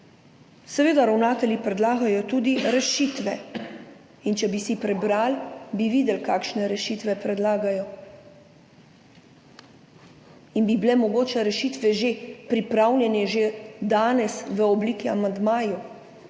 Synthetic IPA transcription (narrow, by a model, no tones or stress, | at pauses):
sɛʋeːd̪aɾawnaːt̪ɛljipɾɛd̪laːɡajɔt̪uːd̪iɾɛʃit̪ʋɛ | int͡ʃɛbisipɾɛbɾalbiʋiːd̪ɛlkaːkʃnɛɾɛʃiːt̪ʋɛpɾɛd̪laːɡajɔ | inbibilɛmɔɡoːt͡ʃɛɾɛʃit̪ʋɛʒepɾipɾawlʲjɛnɛʒed̪aːnɛsʋəɔbliːkia̰mand̪maːju